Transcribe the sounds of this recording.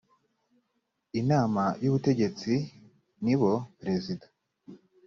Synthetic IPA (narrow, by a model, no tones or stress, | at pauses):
inaːmajuβute̞ɟe̞t͡si | niβo̞pɾe̞zidḁ